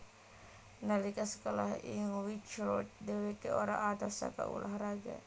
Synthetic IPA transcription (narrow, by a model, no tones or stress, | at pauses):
nalikasə̥kɔla̰ɦḭŋwit͡ʃlɔt̚dɛwekɛɔɾa̰ʔat̪asa̰ka̰ṵlʔaɦɾaɡa̰